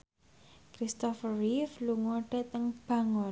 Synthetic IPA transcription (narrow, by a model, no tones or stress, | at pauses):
kɾist̪ɔfrifluŋɔɖ̥a̤t̪əŋb̥a̤ŋɔ